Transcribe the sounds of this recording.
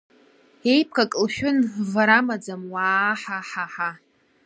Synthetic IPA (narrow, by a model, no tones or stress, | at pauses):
ejp̚ʰkʰʼakʼlʃᶣʊnvaɾamad͡zamwaːħaħaħa